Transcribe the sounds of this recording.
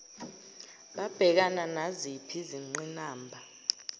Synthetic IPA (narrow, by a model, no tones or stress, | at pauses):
ɓab̥ʱɛk̬ananazipʰiziŋ͡ǀinaːmbʱa